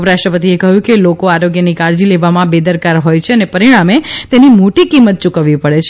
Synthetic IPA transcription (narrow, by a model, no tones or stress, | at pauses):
pɾaʃʈɾəpət̪iekəɦjũkelokoaɾoɡjənikaɾd͡ʒileʋamãbed̪əɾkaɾɦojt͡ʃʰeənepəɾiɽ̃amet̪enimoʈikimːət̪̚t͡ʃukəʋːipəɭet͡ʃʰ